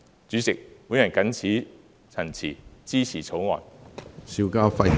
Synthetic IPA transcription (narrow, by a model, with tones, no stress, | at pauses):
t͡ʃyː˨˥t͡sɪ˨k̚wuː˨˥jɐ˨nkɐ˨˥nt͡sʰiː˨˥ | t͡sʰɐ˨˩nt͡sʰḭː˨˩t͡siː˥t͡sʰiː˨˩t͡sʰo˨˥wŋɔ̰ː˨˩nsiː˨˧wkaː˧wfɐ˧j